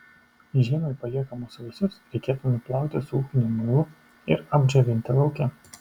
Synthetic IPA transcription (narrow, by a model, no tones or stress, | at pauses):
ʒʲiːmʲoɪpɐlʲiɛkɐmoːsʊʋʲɪsʊsɾʲɛɪkʲeːt̪ʊnʊplˠɑˑʊt̪ʲɪsuːxʲɪnʲʊmʊlˠʊ | ɪɾɐbʲd͡ʒoʋʲɪnʲt̪ʲɪlˠɐʊkʲɛ